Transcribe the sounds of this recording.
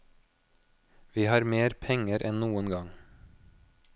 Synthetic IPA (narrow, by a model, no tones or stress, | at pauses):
ʋiːhɑːɾmeːɾpʰɛŋəɾʔɛnnuːənɡɑŋ